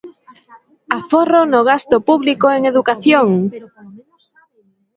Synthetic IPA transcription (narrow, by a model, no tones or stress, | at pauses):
aforonoɣast̪ʊpuβlikoeŋeðukaθjoŋ